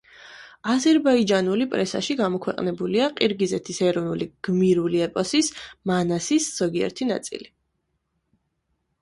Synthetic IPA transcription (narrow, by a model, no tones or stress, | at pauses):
azɛɾbaid͡ʒanulipʼɾɛsa̰ʃiɡamɔkʰwɛqʼnɛbuliaqʼiɾɡizɛt̪ʰisɛɾɔnuliɡ̥miɾuliɛpʼɔsismanasisz̥ɔɡiɛ̰ɾt̪ʰina̰t̪sʼḭli